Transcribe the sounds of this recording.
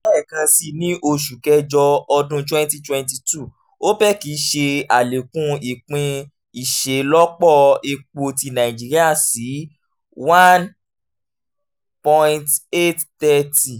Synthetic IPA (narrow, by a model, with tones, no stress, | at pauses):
ɛ˦ɛ˦˨kã˧si˧nĩ˦ʔo˧ʃu˨kɛ˧d͡ʒɔ˧ɔ˧dũ˧twɛ̃˦n˦ti˧twɛ̃˧nti˧tu˦˨ | o˦bɛ˦˨ki˨˦ʃe˧a˨le˨kũ˧˦i˨k͡pĩ˧ | i˦˨ʃe˨lɔ˦k͡pɔ˦˨e˧k͡po˧ti˧nã˨ĩ˨d͡ʒi˦ɾi˦a˦˨si˨˦ | wã˦n | pɔ̃˧ĩ˧te˦ttɛ˦ti˨